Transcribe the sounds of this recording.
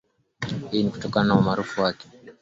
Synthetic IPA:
hiiniku̥tɔkananawamaɾufuwakɛ̥

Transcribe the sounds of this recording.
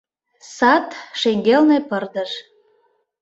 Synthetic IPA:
sɑt̪ʃeŋɡelnepərd̪əʃ

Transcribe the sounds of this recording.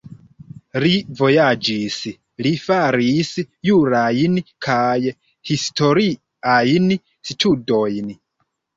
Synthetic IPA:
livo̞jad͡ʒis | lifaɾis | juɾajnkʰaj | histo̞ɾi | ajn | sitʰudo̞jn

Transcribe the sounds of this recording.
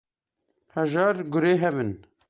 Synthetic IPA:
hɛʒɑːɾɡʊɾeːɦɛvɨn

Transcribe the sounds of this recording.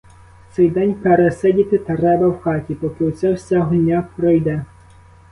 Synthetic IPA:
wt̪sɛjd̪ɛnʲpeɾɛsɛdʲit̪ɪt̪ɐɾɛbɐwxɑtʲipɔkɪwsʲɛwsʲaɦɔdʲnʲapɾɔjd̪ɛ

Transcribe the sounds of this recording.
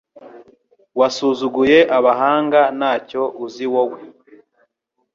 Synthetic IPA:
wasuːzuɡuje̞ʔaβaɦaːŋɡanaːco̞uziwowe

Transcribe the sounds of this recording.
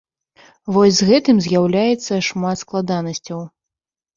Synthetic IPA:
vɔsʲzɣɛt̪ɨmzʲjawlʲajɛt̪sːɐʂmat̪sklˠad̪anɐsʲt͡sʲɐw

